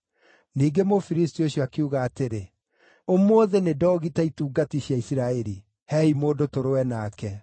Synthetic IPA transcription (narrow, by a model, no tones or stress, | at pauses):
niːɡemofiɾistioɕjɔakiuɣaːteɾe | omoːðenedɔːɣitaituːɡatiɕjaisiɾaɛɾi | hɛimodotoɾowɛnaːkɛ